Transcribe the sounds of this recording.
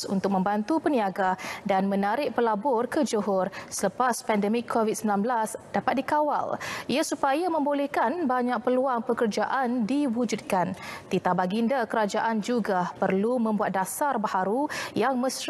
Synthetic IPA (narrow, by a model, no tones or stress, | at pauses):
ṵnt̪ʊk̚mə̃mbant̪upəniaɡadanmə̃naɾɪʔ̚pəlabɔrkəd͡ʒəɦʊrsələpaspɛndəmɪkʰːovit̚səmbilanblasdapat̪̚dikawa̰liasupajamə̃mbolɛhkanbaɲak̚pəluaŋpəkərd͡ʒaʔandiwud͡ʒud̪̚kant̪it̪abaɡindakəɾad͡ʒaʔand͡ʒuɡapərlumə̃mbuat̪̚dasarbahaɾujaŋmə̃s